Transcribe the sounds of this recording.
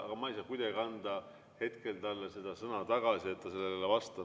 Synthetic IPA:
ɑ̰ɡ̥ɑmɑjsɑːkujd̪ɑɡʲiɑnd̪ɑ | he̞t̪ke̞lt̪ɑlːese̞d̪̥ɑsɤnɑt̪ɑɡ̥ɑsie̞t̪ːɑse̞lːelevɑst̪ɑ

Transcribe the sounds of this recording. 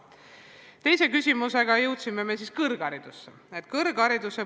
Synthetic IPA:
t̪e̞jse̞kysʲimuse̞ɡ̥ɑjɤwt̪simːe̞me̞siːskɤrɡ̥ɑɾid̪̥usːe | et̪kɤrɡ̥ɑɾid̪use

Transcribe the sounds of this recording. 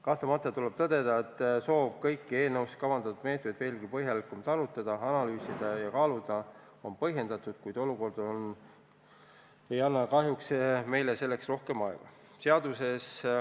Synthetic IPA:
kɑht̪lemɑt̪ːˑɑt̪uleb̥̚t̪ɤd̪e̞d̪̥ɑet̪ːˑso̞ːb̥kɤjkːe̞ːnɤwst̪kɑvɑnd̪̥ɑt̪ːˑud̪̥meːt̪med̪ve̞ːlɡ̥ipɤɦjɑlikːumt̪ɑɾut̪ːˑɑd̪̥ɑɑnɑlyːsid̪̥ɑjɑkɑːlud̪̥ɑ | o̞npɤ̞hɦje̞nd̪ɑt̪ːˑud̪̥kujd̪̥o̞luko̞rd̪̥on | e̞jɑnːɑkɑɦjuksme̞jlese̞lːe̞ksro̞hke̞mɑeɡ̥ɑ | se̞ɑd̪̥use̞s

